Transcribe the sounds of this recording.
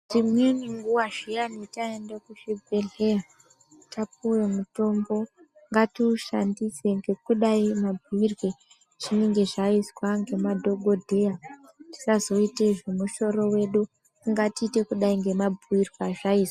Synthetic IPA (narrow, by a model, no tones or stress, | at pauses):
ʐimweniŋɡuwaʒianitaendekuʃebʱeɮeja | tapuwemuto̞mbo̞ | ŋɡatiuʃa̰ndise̞ŋɡe̞kuɗaimabʱuirwe | ʐ̥ineŋɡe̞ʐaiswaŋɡe̞madʱo̞ɡʱo̞dʱe̞ja | ti̥sazo̞iteʐemuʃo̞ɾo̞we̞ɗu | iŋɡatiːte̞kuɗaiŋɡe̞mabʱuirwaʐaiːswa